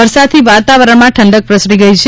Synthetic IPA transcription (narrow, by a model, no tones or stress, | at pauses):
əɾsad̪̚t̪ʰiʋat̪aʋəɾəɳmãʈʰəɳɖək̚pɾəsɽiɡəjt͡ʃʰ